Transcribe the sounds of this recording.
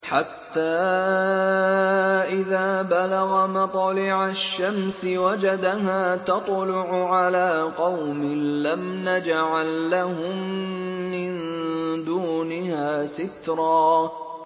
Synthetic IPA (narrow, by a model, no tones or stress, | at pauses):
ħat̪ːaː | ʔɪðaːbalaɣamɑt̪ˤɑlɪʕaʃːamsɪwad͡ʒad̪aɦaːt̪ɑt̪ˤlʊʕʊʕalaːqɑwmɪlamnad͡ʒaʕalːahʊmː | ɪnd̪uːnɪhaːsɪt̪ɾˤɑː